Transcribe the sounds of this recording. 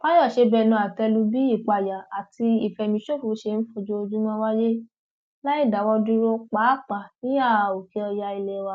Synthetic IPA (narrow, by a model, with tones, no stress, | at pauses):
k͡pa˦jɔ˦˨ʃe˧bɛ˧˨nũ˧˨a˨tɛ˧lu˧bi˦i˦˨k͡pa˨ja˨a˨ti˧i˨fɛ˨mĩ˧˦ʃo˦˨fu˨˦ʃe˧˨n̩˦fo˧d͡ʒo˧o˧d͡ʒu˦mɔ̃˦wa˦je˦ | la˦i˦˨da˨˦wɔ˧du˦ɾo˦k͡pa˨˦˨k͡pa˨nĩ˦a˦˨o˨ke˨˧˦ɔ˧ja˧i˧lɛ˧wa˧˦